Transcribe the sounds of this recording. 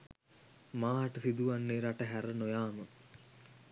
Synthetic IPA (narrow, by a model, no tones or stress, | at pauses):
maːɦaʈəsid̪uʋanːeːɾaʈəɦæɾənojaːmə